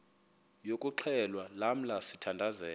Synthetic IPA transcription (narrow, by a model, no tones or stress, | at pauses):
jokʼuǃʰɛlwalam̩lasitʰandʱazɛːl